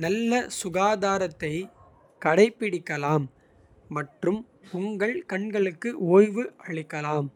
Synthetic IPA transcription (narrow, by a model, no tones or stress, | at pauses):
nɐlːɐsʊɣaːðaːɾɐt̪ːɐɪ | kɐɽɐɪpːɪɽɪkːɐlaːmː | ɐʈrɯm | ʊŋɡɐɭkɐɳɡɐɭɯkːɯʔoːjʋɯʔɐɭɪkːɐlaːm